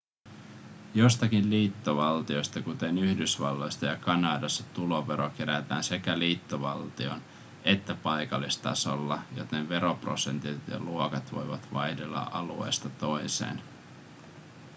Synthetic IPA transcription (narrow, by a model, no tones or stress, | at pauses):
jo̞st̪ɑkinliːt̪ːoʋɑlt̪io̞jst̪ɑkut̪e̞nyhdysʋɑ̰lːo̞jst̪ɑjɑkɑnɑːdɑsɑ̥t̪ulo̞ʋe̞ɾo̞k̟e̞ɾæt̪æ̰ːnse̞kæliːt̪ːoʋɑlt̪io̞n | e̞t̪ːæpɑjkɑlːist̪ɑ̰so̞lːɑjo̞̰t̪e̞nʋe̞ɾo̞pro̞̰se̞nt̪it̪jɑ̰luokɑt̪ʋo̞̰jʋɑ̰t̪ʋɑjde̞lːɑ̰ʔɑlue̞̰ːst̪ɑt̪o̞jse̞̰ːn